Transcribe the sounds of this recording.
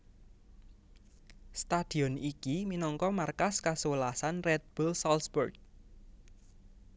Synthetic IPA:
st̪ad̪̥i̤ɔnikiminɔŋkɔmarkaskasuwəlasanrɛt̪̚b̥ulsalsburɡ̚

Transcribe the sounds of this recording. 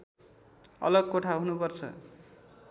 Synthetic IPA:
ʌ̰lʌɡ̚koʈʰaɦunupʌrt͡sʰʌ̰

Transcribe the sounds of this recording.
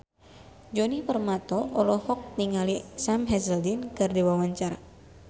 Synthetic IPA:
d͡ʒɔnipərmat̪ɔʔɔlɔhɔk̚niŋalisamɦɛzəldinkɨrdiwawaɲt͡ʃaɾa̰

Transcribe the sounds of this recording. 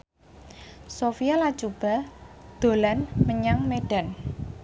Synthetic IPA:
sofijalat͡ʃub̥a̤d̪̥o̤lanməɲaŋmeɖ̥a̤n

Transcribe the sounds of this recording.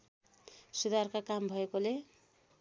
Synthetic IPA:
sud̪arkakambʱʌekole

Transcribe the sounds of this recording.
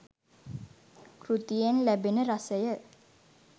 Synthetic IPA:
krut̪ijenlæbenəɾasəjə

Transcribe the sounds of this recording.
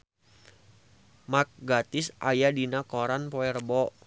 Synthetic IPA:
mak̚ɡat̪ɪsʔa̰jadinakɔɾanpɔɛɾəbɔʔ

